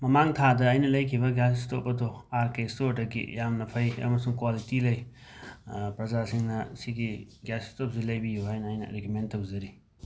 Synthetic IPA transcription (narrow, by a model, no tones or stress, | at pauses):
mɐmaŋt̪ʰad̪ɐːjnɐlɐjkʰibɐɡjasstop̚ːɐt̪ʰoaɾkestoʈɐkḭjamnɐpʰɐjja̰mɐsuŋkwalitilɐj | pɾɐzasiŋnɐsikiɡjasstopzilɐjbijoɦajnɐjnɐ̰ɾekʰment̪ɐbuzɐɾi